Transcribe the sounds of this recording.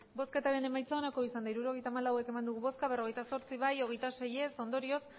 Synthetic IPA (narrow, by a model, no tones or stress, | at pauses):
bo̞ske̞t̪aɾe̞ne̞majt͡saonako̞isand̪aiɾuɾo̞ɣe̞jt̪aːmalawe̞ke̞mand̪uɣuβo̞skaβ̞e̞ro̞ɣe̞jt̪aso̞ɾt͡siβajo̞ɣ̞e̞jt̪ase̞je̞so̞nd̪o̞ɾio̞s